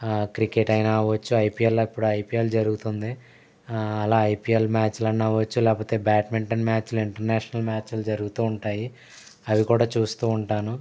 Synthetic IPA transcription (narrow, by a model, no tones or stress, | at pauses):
kɾikeʈɐjnaːʋɐt͡ʃːuɐjpiːelːoːipːuɽuɐjpiːelud͡ʒɐɾuɡut̪und̪i | ɐlaːɐjpiːelmaːt͡ʃlɐnːaːʋɐt͡ʃːulɛːkpoːt̪e̞ːbaːʈmeɳʈɐnmaːt͡ʃluiɳʈɐɾnaːʃɐnɐlmaːt͡ʃlud͡ʒɐɾuɡut̪uːuɳʈaːji | ɐʋikuːɽaːt͡ʃuːst̪uːuɳʈaːnu